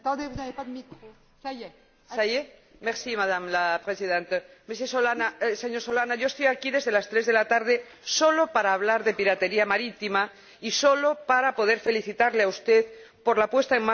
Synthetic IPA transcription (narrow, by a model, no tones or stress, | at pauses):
t̪d̪evunavead̪miko | saje | meɾsimaðamlapɾesiðẽnt̪ames̬esolanaseɲo̞ɾso̞lanaʝo̞est̪ojakiðe̞zðe̞last̪ɾe̞zðe̞lat̪aɾð̞e̞ | so̞lo̞paɾaːβ̞laɾðe̞piɾat̪e̞ɾiamaɾit̪ima | iso̞lo̞paɾapo̞ð̞e̞ɾfe̞liθit̪aɾleaust̪e̞ðpo̞ɾlapwe̞st̪aeŋma